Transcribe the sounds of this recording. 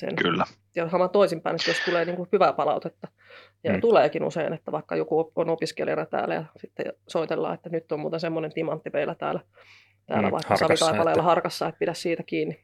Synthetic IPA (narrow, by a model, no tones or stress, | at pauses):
sḛnkylːæihɑmɑnt̪oisimpæinet̪ːæjost̪uleːniːŋkuhyʋæpɑlɑ̰ut̪et̪ːɑ | jɑt̪uleːkinṵseinet̪ːæʋɑikːɑ̰jokuonopiskḛljɑnɑt̪æ̰ːlæjɑ̰sit̪ːḛj̰soit̪elːɑ̰ːet̪ːænyt̪ːommuːt̪ensemːonent̪imɑnt̪ːimeilːˑæt̪æ̰ːlæ | t̪æ̰ːlæ̰ʋɑ̰ikːɑsɑʋit̪ɑipɑlɑjɑlːɑhɑrkɑsːɑeppiɾæssiːt̪ækiːnːi